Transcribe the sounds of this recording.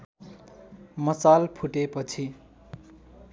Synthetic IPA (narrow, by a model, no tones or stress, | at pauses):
mʌsalpʰuʈepʌt͡sʰi